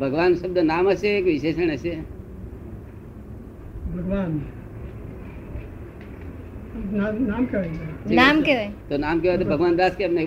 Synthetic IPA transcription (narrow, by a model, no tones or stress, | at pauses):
bʱɐɡʋaːnsɐbd̪ənaːmɐsekʋiʃeːʃəɽ̃ɐse | bʱɐɡʋaːn | nanaːmkeɡeinaːmkeʋt̪onaːmkeat̪obʱɐɡʋaːnd̪aːskeɐpne